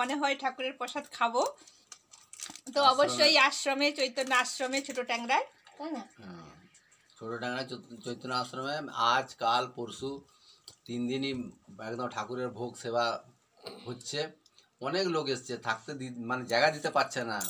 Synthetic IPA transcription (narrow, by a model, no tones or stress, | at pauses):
oneɦɔeʈʰakuɾeɾpɔʃad̪kʰabo | t̪oɔboʃːojaʃɾomet͡ɕojt̪ːonaaʃɾomet͡ɕʰoʈoʈɛŋɾaeɛŋaɦɛ̃ | t͡ʃʰoʈoʈɛŋɾajot͡ʃojt̪ːonaasɾomead͡ʑkalpoɾsu | t̪ind̪iniɛkd̪omʈʰakuɾeɾbʱoɡseba | ɦotːɕʰe | ɔneklokest͡ɕʰet̪ʰakt̪ed̪imaned͡ʑaɡad̪it̪epaɾt͡ɕʰena